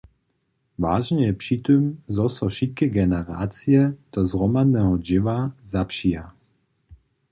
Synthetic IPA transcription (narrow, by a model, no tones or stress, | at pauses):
va̰ːʒɲɛjɛpʂiːt̪ɔmzɔsɔʃit̪̚kɛɡɛnɛɾa̰ːt͡siɛd̪̥ɔzɦɾɔmad̪nɛːɦɔd͡ʒɪʋazapʃia